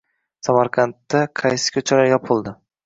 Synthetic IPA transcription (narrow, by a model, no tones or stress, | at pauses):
samaɾqʰɑnt̪ːaqʰɑjsɪ̥kʲʰɵt͡ʃʰalaɾjɒpʰʊlˠd̪ɪ